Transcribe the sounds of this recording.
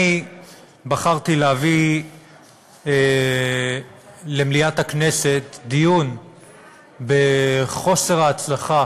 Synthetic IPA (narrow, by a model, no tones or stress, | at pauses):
i | baχaʁt̪ileavi | le̞mliathakne̞se̞td̪ijun | be̞χo̞se̞ʁaːt͡slaχa